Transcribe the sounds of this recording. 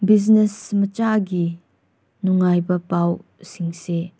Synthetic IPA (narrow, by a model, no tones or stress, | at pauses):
biz̬nɛsmət͡ʃaɡi | nuŋajbɐpaw | siŋse